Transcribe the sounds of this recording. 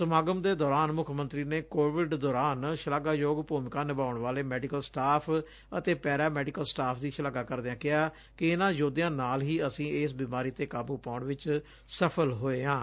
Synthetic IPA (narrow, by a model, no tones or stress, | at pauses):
səmaːɡəmd̪eːd̪ɔːɾaːnmʊkʰmə̃nt̪ɾiːneːkoːʋɪɖd̪ɔːɾaːnʃəlaːɡaːjoːɡpoːmɪkaːnɪbaːʊɳʋaːleːmɛːɖɪkəlsʈaːpʰ | ə̰t̪eːpɛːɾaːmɛːɖɪkəlsʈaːpʰd̪iːʃəlaːɡaːkəɾd̪ãːkɪɦaː | kɪɪnãːd͡ʒoːd̪ejãːnaːlɦiːəsĩːɪsbiːmaːɾiːt̪eːkaːbuːpaːʊɳʋɪt͡ʃ | səpʰəlɦoːeːãː